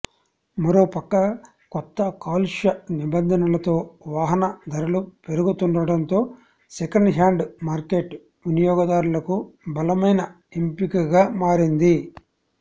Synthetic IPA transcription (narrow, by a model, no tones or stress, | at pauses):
mɐɾo̞ːpɐkːɐ | kɔt̪ːɐkaːlʂɐnibɐnd̪ʱɐnɐlɐt̪o̞ːʋaːɦɐnɐd̪ʱɐɾɐlupe̞ɾuɡut̪uɳɖɐɽɐnt̪o̞ː | sekɐɳɖɦaːɳɖmaːɾkeʈ | unijɔːɡɐd̪aːɾulɐkubɐlɐmɐjnɐ | empikɐɡaːmaːɾind̪i